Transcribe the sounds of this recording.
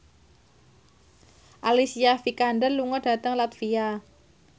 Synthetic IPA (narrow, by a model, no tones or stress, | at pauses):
ʔalisiafikandənluŋɔɖ̥a̤t̪əŋlat̪fia